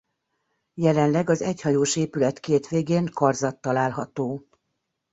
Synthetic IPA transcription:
jɛlɛnlɛɡɒzɛɟhɒjoːʃeːpylɛt̪keːt̪ʋeːɡeːŋkɒrzɒt̪ːɒlaːlɦɒt̪oː

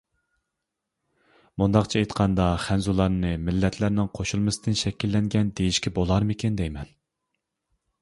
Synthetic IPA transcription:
mund̪ɑqt͡ʃʰiejt̪qʰɑnd̪ɑχænzulˠɑɾnɨmɪlːɛt̪ʰlæɾnɪŋqʰoʃulˠmɨsɨd̪ɨnʃɛkʲilːɛŋɡʲɛnd̪ejiʃkʲʰɛbolˠɑɾmɪkʲend̪ɛjmɛn

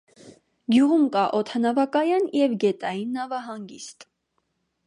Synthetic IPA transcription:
ɡjuʁumkɑʔɔt̪ʰɑnɑvɑkɑjɑnjɛvɡɛt̪ɑjinːɑvɑɦɑŋɡist̪

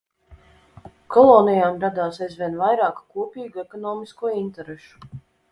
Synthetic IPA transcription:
kʰɔlˠɔːnijaːmɾad̪aːsajzvʲiɛnvajɾaːkkuɔpiːɡuekɔnɔːmiskuɔint̪ɛɾeʃu̥

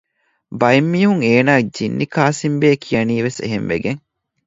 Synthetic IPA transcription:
bɐimːiːɦuŋeːnaːd͡ʒinːikaːsimbeːkʰijɐniːʋesḛɦemʋḛɡeŋ

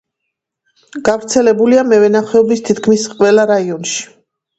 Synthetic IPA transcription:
ɡ̥avɾt̪sʰɛlɛbuliamɛvɛnaχɛɔbist̪ʰit̪ʰkʰmisqʼvɛlaɾaiɔnʃi̥

